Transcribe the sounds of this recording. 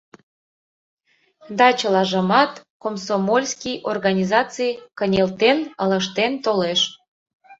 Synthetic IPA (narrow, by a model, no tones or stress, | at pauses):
d̪ɑt͡ɕəlɑʒəmɑt̪komsomolʲskʲijʔorɣɑnʲizɑt͡sɨjkənʲelt̪enələʃt̪ent̪oleʃ